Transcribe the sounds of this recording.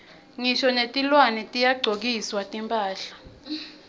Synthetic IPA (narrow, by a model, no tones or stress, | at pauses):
ŋiʃɔnetʼilwanɛtʼijaɡ͡ǀʱok̬iswatʼimpʼaːɬḁ